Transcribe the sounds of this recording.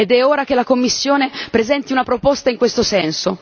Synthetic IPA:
ed̪ɛoːɾak̟elakomːisːjoːnepɾezɛnt̪iunapɾopost̪aiŋkwest̪osɛnso

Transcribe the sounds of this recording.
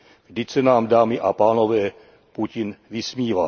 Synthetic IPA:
vdɪcsɛnaːmdaːmɪʔapaːnovɛː | pucɪnvɪsmiːva

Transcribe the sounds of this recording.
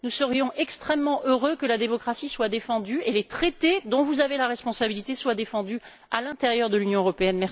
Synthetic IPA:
nusəʁjɔ̃ʔɛkst̪χɛmːɑ̃ʔøʁøkəlad̪emɔkχasiswad̪efɑ̃d̪yelet̪χet̪ed̪ɔ̃vuzavelaʁɛspɔ̃sabilit̪eswad̪efɑ̃d̪y | a̰lɛ̃t̪ɛʁjœʁd̪əlynjɔ̃øʁɔpeɛnmɛs

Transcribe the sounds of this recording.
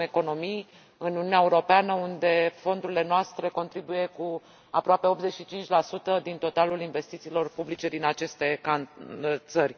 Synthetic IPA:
e̞ko̞no̞mij | ɨnununeaeuɾo̞peanəund̪e̞fo̞nd̪uɾile̞noast̪ɾe̞ko̞nt̪ɾibuje̞ku | apɾoape̞o̞p̪ze̞ʃit͡ʃint͡ʃʲlasut̪əd̪int̪o̞t̪alulinve̞st̪it̪siːlo̞rpublit͡ʃe̞d̪inat͡ʃe̞st̪e̞kant̪sərʲ

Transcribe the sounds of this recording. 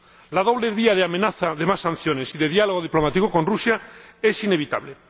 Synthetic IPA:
lað̞o̞β̞leβiað̞eamẽnaθaðemasːãn̟θjo̞ne̞siðe̞ðjaloɣo̞ðiplo̞mat̪ikoko̞nrusjae̞sine̞βit̪a̰βle

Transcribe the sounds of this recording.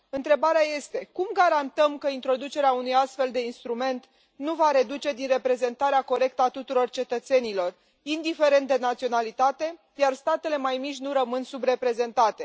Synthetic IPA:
ɨnt̪ɾe̞baɾeaje̞st̪e̞kumɡaɾant̪əmkəint̪ɾo̞d̪ut͡ʃe̞ɾeaunujast̪fe̞ld̪e̞inst̪ɾume̞nt̪ | nuvaɾe̞d̪ut͡ʃe̞d̪inre̞pɾe̞ze̞nt̪aɾeako̞ɾe̞k̚t̪əat̪ut̪uɾo̞rt͡ʃe̞t̪ət̪se̞nilo̞r | ind̪ife̞ɾe̞nt̪̚d̪enat̪sio̞nalit̪at̪e̞ | jarst̪at̪e̞le̞majmit͡ʃʲnuɾəmɨnsubɾe̞pɾe̞ze̞nt̪at̪e̞

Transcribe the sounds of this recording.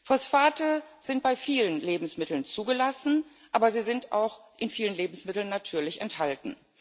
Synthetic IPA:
fɔsfaːtəz̥ɪnt̚b̥aɪfiːlənleːbm̩smɪtl̩nt͡suːɡəlasn̩ | ʔaːbɐziːzɪnta̰ʊxʔɪnfiːlənleːbm̩smɪtl̩nːatʰyːɐlɪçɛ̰nthaltn̩

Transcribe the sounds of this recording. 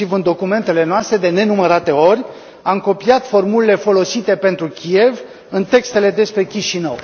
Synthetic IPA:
ivɨnd̪o̞kume̞nt̪e̞le̞noast̪ɾe̞d̪e̞ne̞numəɾat̪e̞o̞rʲ | amko̞piat̪fo̞rmuliele̞fo̞lo̞sit̪e̞pe̞nt̪ɾukʲie̞v | ɨnt̪e̞kst̪e̞le̞d̪e̞spɾe̞kʲiʃinə̰w

